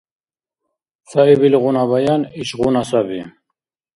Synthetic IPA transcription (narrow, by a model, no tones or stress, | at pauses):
saibilɣunabajaniɕʁunasabi